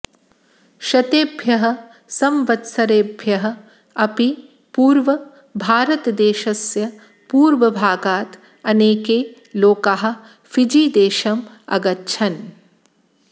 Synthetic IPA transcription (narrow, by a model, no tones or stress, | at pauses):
ʃɐt̪eːbʱjɐɦɐ̆ | sɐmʋɐt̪sɐɾeːbʱjɐɦɐ̆ | ɐpi | puːɾʋɐ | bʱaːɾɐt̪ɐd̪eːʃɐsjɐ | puːɾʋɐbʱaːɡaːt̪ | ɐneːkeː | loːkaɦɐ̆ | fid͡ʒiːd̪eːʃɐm | ɐ̰ɡɐtːʃʰɐn